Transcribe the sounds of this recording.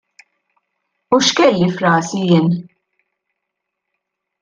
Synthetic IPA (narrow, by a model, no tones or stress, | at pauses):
uʃkɛlːifɾɐːsijɪːn